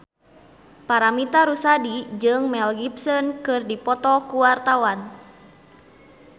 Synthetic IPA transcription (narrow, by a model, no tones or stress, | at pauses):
paɾamit̪aɾusadid͡ʒɨŋmɛlɡipsɔnkɨrdipɔt̪ɔkuwart̪awan